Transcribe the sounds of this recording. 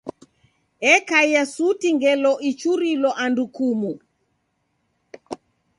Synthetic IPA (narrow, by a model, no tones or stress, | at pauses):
ɛkaiasutiŋɡɛlɔʔit͡ʃuɾilɔʔandukumu